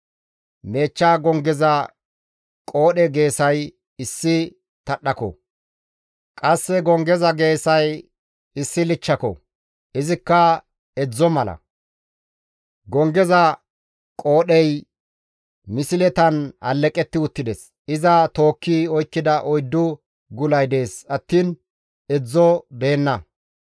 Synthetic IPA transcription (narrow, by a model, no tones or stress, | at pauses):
me̞ːt͡ʃːaːɡɔŋɡɛzɐ | kʼo̞ːɗɛɡe̞ːsɐj | ɪsːɪ | t̪ɐɗːɐkɔ̰ | kʼɐsːɛɡɔŋɡɛzɐɡe̞ːsɐj | ɪsːɪlɪt͡ʃːɐkɔ̰ | ʔɪzɪkːɐ | ɛd͡zːɔmɐlɐ̰ | ɡɔŋɡɛzɐ | kʼo̞ːɗɛj | mɪsɪlɛt̪ɐnɐ̰lːɛkʼɛt̪ːɪʊt̪ːɪd̪ɛs | ɪzɐt̪o̞ːkːiɔjkːɪd̪ɐʔɔjd̪ːʊ | ɡʊlɐjd̪e̞ːsɐt̪ːiːn | ɛd͡zːɔbe̞ːnːɐ